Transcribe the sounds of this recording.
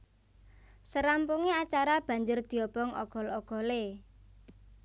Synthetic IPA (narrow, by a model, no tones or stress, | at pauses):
səɾampuŋeat͡ʃaɾab̥ä̤ɲd͡ʒʊrd̪̥i̤ɔb̥ɔŋɔ̰ɡ̥ɔ̤lɔɡ̥ɔ̤le